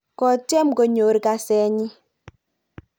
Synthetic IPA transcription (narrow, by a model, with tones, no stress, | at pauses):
kɔ˨tɛ˦mko˨ɲo˨ɾka˨sɛ˨˦ɲi˦